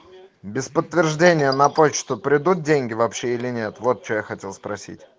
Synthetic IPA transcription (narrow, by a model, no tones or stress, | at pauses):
bʲɪspət̪ːvʲɪrʐdʲenʲɪjənɐpot͡ɕt̪ʊpɾʲɪd̪ut̪̚dʲenʲɡʲɪvɐpɕːe̞ilʲɪnʲe̞t̪vo̞t̪̚t͡ɕojaxɐtʲe̞lˠspɾɐsʲḭtʲ